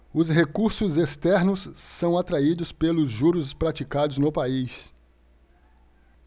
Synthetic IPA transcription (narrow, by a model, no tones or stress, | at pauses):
ʊsɦekuɾsʊzest̪ɛɾnʊsːɐ̃w̃at̪ɾaid̪ʊspelʊzʒuɾʊspɾat͡ʃikad̪ʊznʊpais